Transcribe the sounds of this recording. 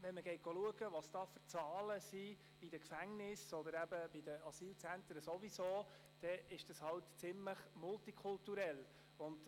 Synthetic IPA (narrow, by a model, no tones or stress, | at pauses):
ʋɛnməɡ̥ɛɪt̚ɡ̥oluəɡəʋɑsd̥ɑːfət͡sɑːləsi̥ | id̥əkfæŋnɪsɔd̪əɾæbəb̥idəɑsiːlt͡sænt̪ɾəsɔʋisoː | d̥ɛɪʃd̥ɑshɑltt͡sɪmləχmʊltikʰʊltuɾɛl | ʊnd